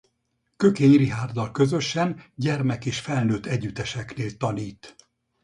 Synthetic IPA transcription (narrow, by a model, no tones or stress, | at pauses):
kø̞keːɲriɦaːrd̪ɒlkø̞zø̞ʃɛnɟɛrmɛkeːʃfɛlnøːt̪ɛɟyt̪ɛʃɛkneːlt̪ɒniːt̪